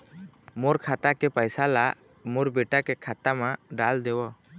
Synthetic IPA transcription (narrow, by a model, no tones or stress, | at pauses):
mɔɾkʰat̪akɛpajsala | mɔɾbɛʈakɛkʰat̪amaɖald̪ɛwɔ